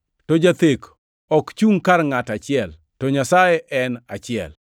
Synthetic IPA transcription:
tɔd͡ʒat̪ek | ɔkt͡ʃuŋkarŋatat͡ʃɪɛl | tɔɲasajeʔɛnat͡ʃɪɛ̰l

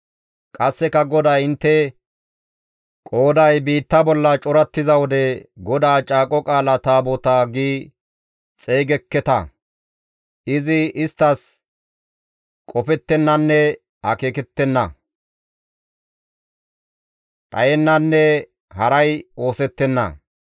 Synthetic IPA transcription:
kʼɐsːɛkɐɡɔd̪aːɪnt̪ːɛ | kʼo̞ːd̪ɐjbiːt̪ːɐbɔlːɐt͡ʃʼɔɾɐt̪ːɪzɐwɔd̪ɛɡɔd̪aːt͡ʃʼaːkʼɔkʼaːlɐt̪aːbɔt̪aːɡiː | t͡sʼe̞ːɡɛkːɛt̪ɐ | ʔɪzɪɪst̪ːɐs | kʼɔpɛt̪ːɛnːɐnːɛ | hɐke̞ːkɛt̪ːɛnːɐ̰ | tʼɐ̰jɛnːɐnːɛ | hɐɾɐjo̞ːsɛt̪ːɛnːɐ̰

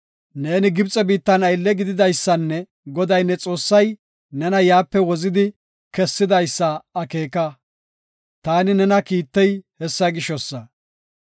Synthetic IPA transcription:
ne̞ːnɪɡɪbt͡sʼɛbiːt̪ːɐnɐjlːɛɡɪd̪ɪd̪ɐjsːɐnːɛ | ɡɔd̪ɐjnːɛt͡sʼo̞ːsːɐj | nɛnɐjaːpːɛwɔzɪd̪ɪ | kɛsːɪd̪ɐjsːɐɐke̞ːkɐ | t̪aːnɪnɛnɐkiːt̪ːɛjhɛsːɐɡɪʃɔsːɐ

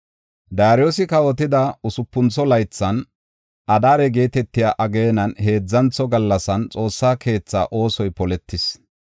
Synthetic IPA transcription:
d̪aːɾɪjosɪkɐwɔt̪ɪd̪ɐʊsʊpːʊnt͡sːɔlɐjt͡sːɐn | ʔɐd̪aːɾɛɡe̞ːt̪ɛt̪ːɪjaːʔɐɡe̞ːnɐnhe̞ːd͡zːɐnt͡sɔɡɐlːɐsɐnt͡sʼo̞ːsːaːkʰe̞ːt͡sːa̰ːʔo̞ːsɔjpɔlɛt̪ːɪs

